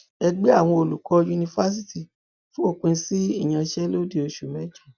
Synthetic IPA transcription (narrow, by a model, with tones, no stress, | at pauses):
ɛ˧ɡ͡be˦a˦˨w̃ɔ̃˧o˧lu˨kɔ˧ju˧nĩ˧fa˦s̬i˦ti˨ | fũ˦o˦˨k͡pũ˧si˦i˦˨j̃ã˧ʃɛ˦lo˦di˦˨o˨˧ʃu˨mɛ̃˨˦d͡ʒã˦˨